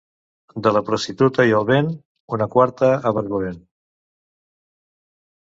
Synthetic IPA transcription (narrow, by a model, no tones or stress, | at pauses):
d̪ələpɾust̪it̪ut̪əiəlˠβen | unəkwaɾt̪əːβəɾɣuβen